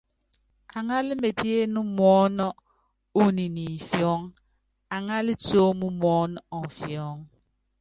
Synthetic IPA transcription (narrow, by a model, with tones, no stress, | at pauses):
a˨ŋa˦li˦me˨ti˦e˦nu˦mɔː˦nɔ˦ | u˦ni˨ni˨fjɔ˦ŋ | a˨ŋa˦li˦t͡soː˦mu˦mɔː˦nɔ˦ɔ˨fjɔ˦ŋ